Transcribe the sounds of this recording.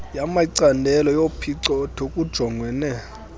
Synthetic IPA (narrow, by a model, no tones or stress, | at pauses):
jamaiǀandʱɛlɔjopʰiǀɔdʰʱokʼud̥ʒ̥ʱɔŋɡʱwɛːnɛ